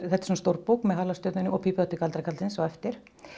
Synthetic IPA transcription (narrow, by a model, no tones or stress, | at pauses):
θɛt̪ːɪ̥sɔnst̪owɾpoːwkmɛðɦaːlast̪œːt̪nɪnːʏmɔpʰiːpʏat̪ʏɪkʰalt̪ɾakʰalɪnsɔɛft̪ɪɾ̥